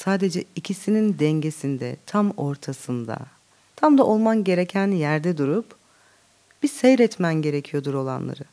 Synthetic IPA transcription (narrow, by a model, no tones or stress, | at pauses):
saːd̪e̞d͡ʒɛicʰisinind̪ɛɲɟe̞sind̪ɛ̰t̪ʰamo̞ɾt̪ʰasɯnd̪a̰ | t̪ʰamd̪aʔo̞lˠmanɟe̞ɾecʰænjæɾd̪ɛd̪uɾup | b̥isɛjɾɛt̪mænɟe̞ɾecʰijo̞d̪uɾo̞lˠa̰nlˠa̰ɾɯ